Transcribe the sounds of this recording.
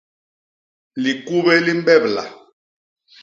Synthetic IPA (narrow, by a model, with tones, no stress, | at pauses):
li˨ku˦βɛ˦li˦m˦bɛ˦bla̰˨